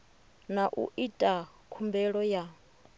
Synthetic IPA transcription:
naʔṵʔitʼa | kʰumbɛɺɔja

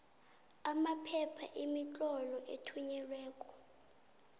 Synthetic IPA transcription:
amapʰɛpʰaʔimit͡ɬʼɔlɔʔetʰuɲɛlwɛːkʼɔ̥

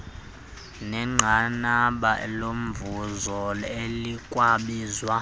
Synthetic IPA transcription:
nɛŋ͡ǃʱanaɓaʔɛlom̩vuzɔlelikʼwaɓiːzwa

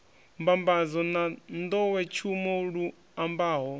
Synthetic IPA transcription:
mbambazɔnand̪ɔwɛt͡ʃʰumɔɺu | ambaːɦɔ

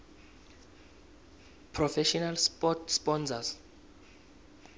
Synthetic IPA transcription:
pʰrɔfɛʃɔnalspɔtspɔnsas

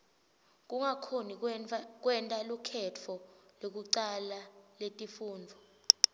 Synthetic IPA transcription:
k̬ʼuŋakʰonik̬wɛntʼalukʰɛt͡fʰɔlok̬uǀalaletʼifuːnd͡vʱɔ

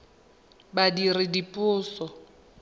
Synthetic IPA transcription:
badirɪdipʼʊːsɔ

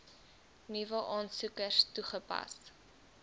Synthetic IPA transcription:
nivəʔɑːnsukərstuχəpɐ̰s

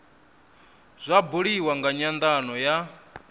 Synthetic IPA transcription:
z̥ʷabuɺiwaŋɡaɲand̪anɔja

